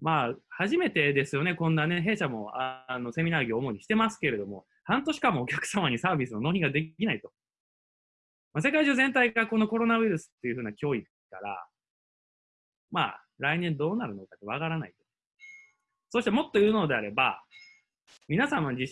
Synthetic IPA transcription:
maːhaʑime̞t̪e̞d̪e̞sɨjo̞nekõ̞nːaneɦe̞ːɕamo̞ano̞se̞mʲinaːɡʲioːmo̞ɲ̟iɕi̥t̪e̞masɨ̥ke̞ɾe̞d̪o̞mo̞ | hãnt̪o̞ɕi̥kamo̞ːkʲḁkɯ̥samaɲ̟isaːbʲisɨno̞no̞ːɲiɡad̪e̞kʲinait̪o̞ | mase̞kaiʑoːzẽ̞nt̪aiɡako̞no̞ko̞ɾo̞naβɯiɾɯ̟sɨ̥t̪ːeiɯ̟ɸɯ̟ːnakʲo̞ːi | ka̰ɾa̰ | ma̰ | ɾainẽ̞nd̪o̞ːnaɾɯ̟no̞kat̪ːeβakaɾana̰it̪o̥ | so̞ːɕi̥t̪e̞mo̞t̪ːojɯ̟ːno̞d̪e̞aɾe̞ba̰ | mʲinasãmad͡ʑiɕ

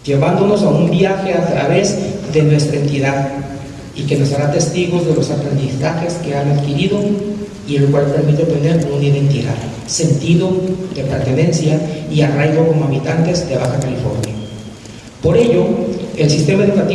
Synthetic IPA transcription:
d͡ʒe̞βand̪o̞no̞saumbjaxe̞at̪ɾa̰βe̞zðe̞nwe̞st̪ɾaent̪iðað | ike̞no̞saɾat̪e̞st̪iɣo̞zðe̞lo̞sapɾe̞nd̪isaxe̞ske̞anaðkiɾiðo̞ | ielokwalpe̞ɾmit̪ep̪end̪e̞ɾnounaiðe̞nt̪iða̰ð | se̞nt̪iðo̞ðe̞pe̞ɾt̪e̞ne̞nsjaiarajɣoko̞moaβit̪ant̪e̞zd̪e̞βaxakalifo̞̰ɾnja̰ | po̞ɾe̞ʝo̞e̞lsist̪e̞mae̞ðukat̪i

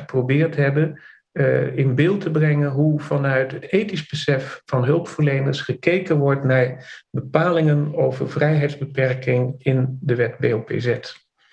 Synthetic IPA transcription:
ə̥prowbɪːɹtɦɛbə | ɪnbɪːlˠtəbrɛŋənɦuv̥ɑnœɥtətejtizbəsɛfːɑnɦɵlˠpfəɹlejnəɹsχəkejkənʋɔɹtnaːɹbəpaːlɪŋənowvə̰ɹvrɛjɦɛjdzbəpɛɹkɪŋɪndəʋɛtbḛowpḛzɛt

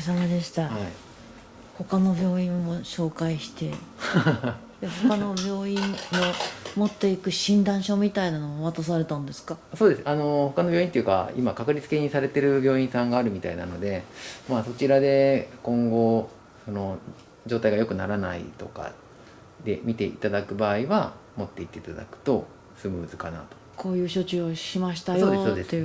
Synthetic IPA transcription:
s̬amad̪e̞ɕi̥t̪aai | ho̞kano̞bʲjo̞ːĩmːo̞ɕo̞ːkaiɕi̥t̪e̞ | d̪ehokano̞bʲjo̞ːĩnmomo̞t̪ːe̞ikɯ̟ɕĩnd̪ãɰ̃ɕo̞mʲit̪ainanomoβat̪as̬aɾe̞t̪ãnod̪e̞sɨ̥kaso̞ːd̪e̞sɨano̞ho̞kanobʲjoːĩnt̪ojɯ̟ka̰ḭmakakɯ̟ɾʲit͡sɨ̥ke̞ɲ̟isaɾe̞t̪e̞ɾɯ̟bʲo̞ːĩsãŋɡaːɾɯ̟mʲit̪a̰ina̰no̞d̪e̞maso̞t͡ɕiɾad̪e̞kõ̞ŋɡo̞ | so̞no̞ | d͡ʑo̞ːt̪aiɡajo̞kɯ̟naɾana̰ḭt̪o̞ka̰ | d̪e̞mʲit̪e̞ʔit̪ad̪akɯ̟baːiβa | mo̞t̪ːe̞it̪ːe̞it̪ad̪a̰kɯ̟̥t̪o̞ | sɨmɯːzɨkana̰t̪o̞̥kʰo̞ːjɯ̟ːɕo̞t͡ɕɨoɕimaɕi̥t̪ajooːd̪ese

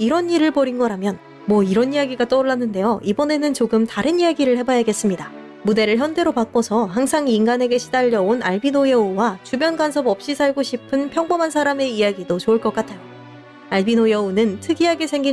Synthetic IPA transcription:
iɾʌniɾɯɭpʌɾinɡʌɾamjʌn | mwʌiɾʌnijaɡiɡat͈ʌoɭːanːɯnde̞joʔibʌne̞nɯnt͡ɕoɡɯmtaɾɯnijaɡiɾɯɭhe̞bajaɡe̞s͈ɯmɲida | mude̞ɾɯɭçjʌnde̞ɾopak͈osʰʌhaŋsʰaŋiŋɡane̞ɡe̞ɕʰidaʎːjʌonaɭbinojʌuwat͡ɕubjʌnɡwansʰʌbʌp̚ɕ͈isʰaɭɡoɕʰipʰɯnpʰjʌŋbʌmɦansʰaɾame̞ijaɡidot͡ɕouɭk͈ʌk͈atʰajo | aɭbinojʌunɯntʰɯɡiaɡesʰe̞ŋɡi

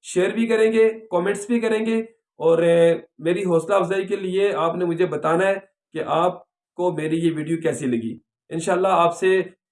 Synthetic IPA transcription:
ʃeːɾbʱikɐɾẽːŋɡeːkɔːmẽːɳʈsbʱikɐɾẽːŋɡeː | ɔːɾmeːɾiɦɔːslaːfzaːikelɪeaːpnemʊd͡ʒʱebɐt̪aːnaɦɛː | keʔaːp̚ | komeːɾijeʋiːɖijokɛːsilɐɡḭː | ɪnʃaːlːaaːpse

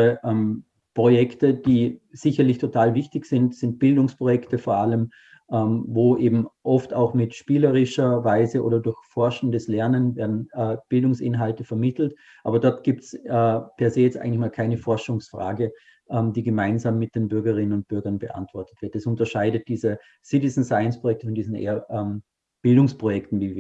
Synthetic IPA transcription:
əʔɛm | pʁ̥ojɛktəd̥iːz̥ɪçɐlɪçtʰotʰaːlvɪçtɪçz̥ɪntz̥ɪnt̚b̥ɪldʊŋspʁ̥ojɛktəfoːɐaləm | ʔɛmvoːʔeːbm̩ʔɔftaʊxmɪtʃpiːləʁɪʃɐvaɪzəʔo̰ːdɐdʊɐçfɔɐʃn̩dəslɛɐnənveːɐdn̩ːb̥ɪldʊŋsɪ̰nɦaltəfɛɐmɪtʰl̩t | ʔaːbɐdɔɐtɡ̥iːp̚tsɛpʰɛɐzeːjɛt͡stʔa̰ɪŋn̩tlɪçmaːlkʰaɪnəfɔɐʃʊŋsfʁ̥a̰ːɡə | ʔɛːmdiːɡəmaɪnzaːmːɪt̚d̥eːnbʏɐɡɐʁɪnənʊnt̚b̥ʏɐɡɐnbəʔa̰ntv̥ɔɐtə̥tv̥ɪɐtɛsʊntɐʃaɪdət̚d̥iːzə | sɪtɪsn̩saɪənspʁojɛk̚tə̥fɔndiːzn̩ʔḛːɐʔɛːm | b̥ɪldʊŋspʁ̥ojɛktn̩viːviː

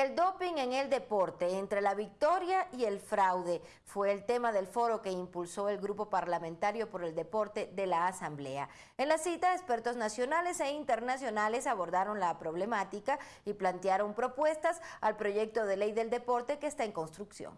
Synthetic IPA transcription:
eld̪o̞piŋe̞ŋe̞ld̪e̞po̞ɾt̪e̞ːnt̪ɾe̞laβik̚t̪o̞ɾjaie̞lfɾawðe̞ | fwe̞ːlt̪e̞maðe̞lfo̞ɾo̞ke̞impulso̞e̞lɡɾup̬o̞paɾlamẽnt̪aɾjo̞po̞ɾe̞ld̪e̞po̞ɾt̪eðe̞laːsamble̞̰a̰ | enlasit̪aespe̞ɾt̪o̞znasjo̞nale̞se̞int̪e̞ɾnasjo̞nale̞saβo̞ɾðaɾo̞nlapɾo̞β̞le̞mat̪ika | iplant̪jaɾo̞mpɾo̞pwe̞st̪asalpɾo̞ʝe̞k̚t̪o̞ðe̞le̞jðe̞ld̪e̞po̞ɾt̪e̞keːst̪aeŋko̞nst̪ɾuksjo̰ŋ

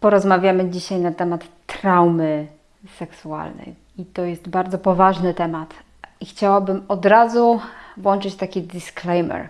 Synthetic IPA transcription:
pɔɾɔzmavʲjamɘd͡ʑiɕajnat̪ɛmat̪ːɾawmɘ | sɛksua̰lnɛ̰j | it̪ɔjɛst̪baɾd̪zɔpɔvaʐnɘt̪ɛmat̪ | ixt͡ɕawabɘmɔd̪ɾazuvwɔnt͡ʂɘt͡ɕt̪akʲid̪isklɛjmɛ̰ɾ

